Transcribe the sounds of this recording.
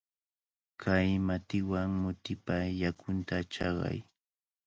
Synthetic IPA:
kʰajmat̪ɪwaŋmʊt̪ɪpajakʊnt̪at͡ʃɑɢɑ̰j

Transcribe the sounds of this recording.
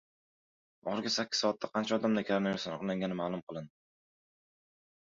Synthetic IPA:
ʔɒχɨɾɡʲasakʲːɪ̥zɒːt̪ʰːaqʰɑnt͡ʃʰaɒd̪amd̪akʲʰaɾanajasanɑqlaŋɡʲanɪmalˠʊmqʰɨlˠɪn

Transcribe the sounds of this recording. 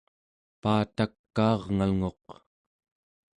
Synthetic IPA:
paːt̪akːɑːʁŋalŋo̞q

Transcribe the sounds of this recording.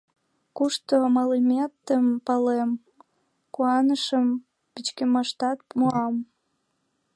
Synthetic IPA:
kuʃt̪omɑlimʲet̪ːəmpɑlem | kuɑnəʃəm | pit͡ɕkemɑʃt̪ɑt̪̚moɑm

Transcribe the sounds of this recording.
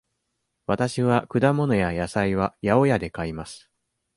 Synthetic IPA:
βat̪aɕiβ̞akɯ̟d̪amo̞no̞jajasaiβ̞ajao̞jad̪e̞kaimasɨ̥

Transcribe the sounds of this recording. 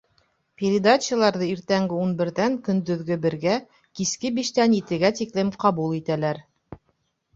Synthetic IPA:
pʲeɾʲɪd̪at͡ɕəlˠɑɾðɤiɾt̪æŋɡɘunbɘ̆ɾðæŋkɵ̆nd̪ɵ̆ðɡɵbɘ̆ɾɡæ | kiskɘbiʃt̪ænjɘt̪ɘ̆ɡæt̪iklɘmqɑβulˠit̪ælæɾ

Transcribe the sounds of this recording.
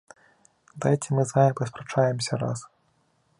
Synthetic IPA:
d̪aɛtʲimɨzajɛpɐspɾat͡ʂajɛmsʲɐɾa̰s

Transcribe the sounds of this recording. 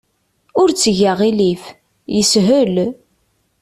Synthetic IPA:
ʊɾt͡sːəʝaʁilif | jəsɦəl

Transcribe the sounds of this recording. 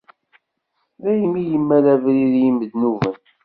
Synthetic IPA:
ðæjəmːijəmːæɾævɾiðjimːəd̪nuvən

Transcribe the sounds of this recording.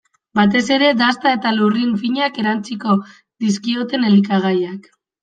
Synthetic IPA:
bat̪e̞se̞ɾe̞d̪ast̪ae̞t̪alurinfiɲake̞ɾant͡siko̞ | ðiskio̞t̪e̞ne̞likaɣ̞ajak

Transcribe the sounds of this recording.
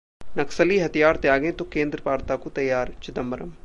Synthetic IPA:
nɐksəliɦɐt̪ijaːɾt̪eaːɡẽt̪okẽːnd̪ɾəpaːɾt̪akot̪ɐjːaːɾt͡ʃɪd̪əmbəɾə̰m

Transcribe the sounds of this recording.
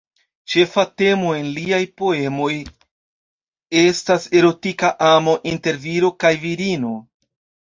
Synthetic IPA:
t͡ʃe̞fate̞mo̞e̞nliajpo̞e̞mo̞j | e̞stase̞ɾo̞tikaʔamo̞ʔinte̞ɾviɾo̞kajviɾino̞

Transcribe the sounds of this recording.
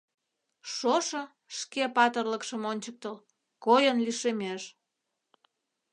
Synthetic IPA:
ʃoʃə̆ | ʃkepɑt̪ərləkʃəmonʲt͡ɕək̚t̪əl | kojənliʃemeʃ

